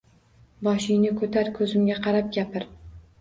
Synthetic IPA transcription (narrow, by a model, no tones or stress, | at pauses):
bɒʃɪjnɪkʰɵt̪ʰaɾkʰɵzɪmɡʲaqʰɑɾap̚ɡʲapʰɪɾ